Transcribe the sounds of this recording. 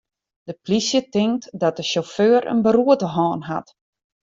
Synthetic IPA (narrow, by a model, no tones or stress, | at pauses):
d̥əplisjətɪŋktdɔt̚dəʃoføːɾə̰nbəɾuətəɦɔːnɦa̰t